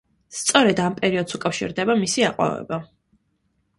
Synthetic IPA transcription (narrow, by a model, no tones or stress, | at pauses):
st̪sʼɔɾɛd̪ampʼɛɾiɔd̪sukʼafʃḭɾd̪ɛbamisiaqʼwa̰vɛ̰ba